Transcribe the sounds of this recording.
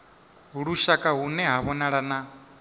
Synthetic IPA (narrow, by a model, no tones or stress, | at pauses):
ɦuɺuʃakʼaɦunɛɦaβɔnaɺana